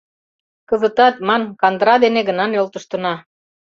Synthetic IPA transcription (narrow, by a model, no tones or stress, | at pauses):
kə̆zə̆t̪ɑt̪̚mɑnkɑnd̪ɾɑd̪eneɡə̆nɑnjolt̪ə̆ʃt̪ə̆nɑ